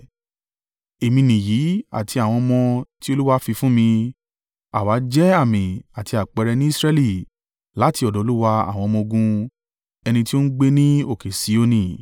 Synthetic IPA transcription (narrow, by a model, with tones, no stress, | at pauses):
e˨mĩ˧nĩ˨ji˨˦a̰˨tʰi˧a˨w̃ɔ̃˧mɔ̃˧ti˦o˧lu˦wa˧˦fi˧fũ˦mĩ˧ | a̰˨wa˨˦d͡ʒɛ˦a˦˨mĩ˨a˨ti˧a˨k͡pɛ˧ɾɛ˧nĩ˦i˦˧sɾɛ˧li˦˨ | la˨˦ti˧ɔ˨dɔ˨o˧˦lu˦wa˧a̰˦˨w̃ɔ̃˧mɔ̃˧o˧ɡũ˧ | ɛ˧nĩ˧ti˦o˦n̩˦ɡ͡be˦nĩ˦o˦˨ke˨si˨˦o˦nĩ˨